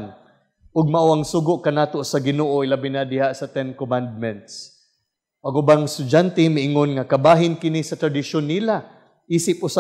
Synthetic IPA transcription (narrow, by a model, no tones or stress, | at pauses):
n | ʔʊɡ̚maʔoʔaŋsuːɡʊʔkanaːt̪osɐɡɪnoːʔoɪlabɪnad̪ɪhaʔsɐt̪ɛnkomand̪̚mɛnt̪s | ʔaɡubaŋst̪ʊd͡ʒant̪ɛmɪʔɪŋonŋakabaːɦɪnkɪnisɐt̪ɾad̪ɪʃonːiːla | ʔiːsɪp̚ʊsa